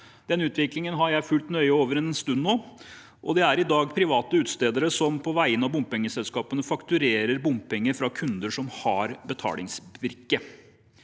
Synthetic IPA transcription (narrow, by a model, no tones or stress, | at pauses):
d̪̥ɛnʉːt̪ʋɪklɪŋənɦɑɾjæɪfʉlt̪nœʏəoːʋəɾɛnɛnst̪ʉnːnoː | ʔɔ̰d̪ɛæɾɪd̪ɑːɡpʰɾɪʋɑːt̪əʉːt̪st̪eːd̪əɾəsɔmpʰɔʋæɪənɑʋbʊmpɛŋːəsɛlskɑːpənəfɑkt̪ʉɾeːɾəɾbʊmpɛŋːəɾfɾɑkʰʉnd̪əʂɔmhɑɾbət̪ʰɑ̰ːlɪ̰ŋsʋɪɾkə